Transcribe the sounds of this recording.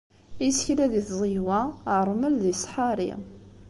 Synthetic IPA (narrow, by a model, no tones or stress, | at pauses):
isçlæðiθzˤiwæəɾˤməlðisˤħaɾḭ